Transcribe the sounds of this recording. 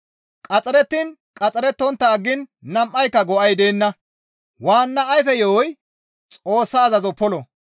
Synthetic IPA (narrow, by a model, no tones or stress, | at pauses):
kʼɐt͡sʼɛɾɛt̪ːinkʼɐt͡sʼɛɾɛt̪ːɔnt̪ːɐːɡːɪnːɐmʔɐjkːɐɡɔʔɐjd̪e̞ːnːɐ | waːnːɐːjfɛjɔwɔj | t͡sʼo̞ːsːɐːzɐzɔpɔlɔ